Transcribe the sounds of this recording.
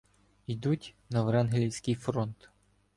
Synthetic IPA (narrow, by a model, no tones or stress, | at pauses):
id̪utʲnɐʋɾɛnɦelʲiwsʲkɪjfɾɔnt̪